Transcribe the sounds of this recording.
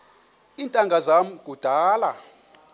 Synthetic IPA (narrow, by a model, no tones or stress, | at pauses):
iːntʼaŋɡʱazam̩ɡ̥ʱud̥ʱaːla